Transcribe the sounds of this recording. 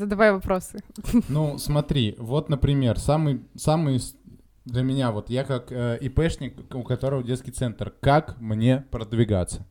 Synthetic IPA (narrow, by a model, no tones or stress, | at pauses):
zəd̪ɐvajvɐpɾo̞sɨnusmɐt̪ɾʲivo̞t̪nəpɾʲɪmʲe̞rsamɨjsamɨj | d̪lʲəmʲɪnʲavo̞t̪jakakəɪpɛʂnʲɪkʊkɐt̪o̞ɾəvədʲet̪skʲɪjt̪sɛnt̪rkakmnʲe̞pɾəd̪vʲɪɡa̰t̪sə